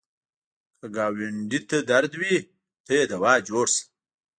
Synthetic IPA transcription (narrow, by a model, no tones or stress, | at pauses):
kəɡaːwiɳɖit̪ɐd̪aɾd̪wi | t̪ɐjed̪ɐwɑːd͡ʒoːɽs